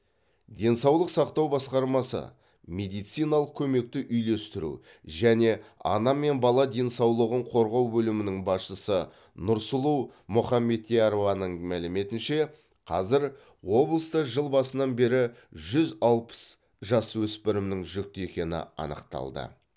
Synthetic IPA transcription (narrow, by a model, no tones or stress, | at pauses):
d̪e̞nsɑwlˠəqsɑqt̪ɑwbɑsqɑɾmɑsə̰ | mʲe̞d̪ijt̪sijnɑlˠəq̚kʲʰɵme̞k̚t̪ɪʔʏjle̞st̪ɪɾṵ | ʒæne̞ɑ̰nɑme̞nbɑlˠɑd̪e̞nsɑwlˠəʁəɴqʰo̞ɾʁɑwbɵlɪmɪnɪŋbɑsʃəsə | nʊɾsʊlˠumʊχɑmːe̞t̪̚t̪ʰːeɑɾovɑnəɴmælɪme̞t̪ɪnʃe̞ | qʰɑzɪɾ | wo̞blˠəst̪əʒəlˠbɑsənɑnbe̞ɾɪʒʏzɑlˠpə̥s | ʒɑswɵspɪɾɪmnɪŋʒʏk̚t̪e̞kʲe̞nɪ̰ɑ̰nə̰qt̪ɑ̰lˠd̪ə̰